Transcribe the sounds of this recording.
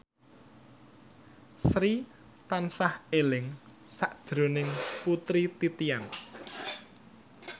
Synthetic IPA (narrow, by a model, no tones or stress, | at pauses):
sɾi | t̪ansahelɪŋ | saʔd̥ʒ̥ɾo̤nɪŋput̪ɾit̪it̪ian